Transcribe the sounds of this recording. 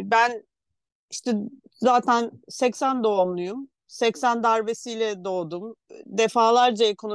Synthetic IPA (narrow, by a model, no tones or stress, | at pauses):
bæn | iʃt̪ʰɛzaːt̪ʰænsɛcsænd̪onlˠujum | sɛcsænd̪aɾve̞sijlʲɛd̪o̞ːd̪umd̪efaːlˠaɾd͡ʒaekʰo̞n